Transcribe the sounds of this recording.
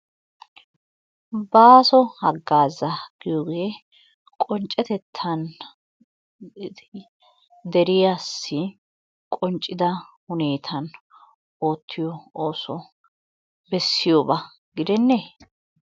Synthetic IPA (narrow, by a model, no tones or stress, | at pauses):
baːsɔhɐɡːaːzɐɡ̥ɪjoːɡeː | kʼɔnt͡ʃʼːɛt̪ɛt̪ʰːɐn | d̪ɛɾɪjasːɪ | kʼɔnt͡ʃʼːɪd̪ɐhʊneːt̪ʰɐn | o̞ːt̪ʰːɪjɔoːsɔ | bɛsːɪjobɐ | ɡɪd̪ɛnːe